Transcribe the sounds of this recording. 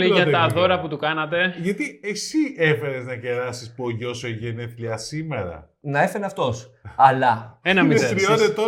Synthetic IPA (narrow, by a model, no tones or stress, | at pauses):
liʝɐɐðo̞ɾɐput̪ukɐnɐt̪̬e̞ʝɐt̪iesiefe̞ɾeznɐce̞ɾɐsispoʝo̞seʝeneθliɐsime̞ɾɐ̰ | nɐefeneɐft̪o̞sɐlɐenɐmizeɾiot̪et̪o